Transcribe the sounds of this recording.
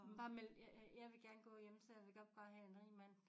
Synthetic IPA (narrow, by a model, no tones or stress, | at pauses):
b̥ɑ̈meljjɑ̈ɪʋe̝ɡ̥æɐnɡ̥ɔ̰̽ːjemsɒðjʋeɡ̥ɒ̽b̥fɑɦæe̝nʁiːmæn̰